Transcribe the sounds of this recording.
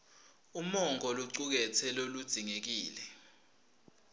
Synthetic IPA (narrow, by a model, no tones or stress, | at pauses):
umɔŋɔluǀuk̬ɛtʰɛlolud̥z̥ʱiŋek̬iːlɛ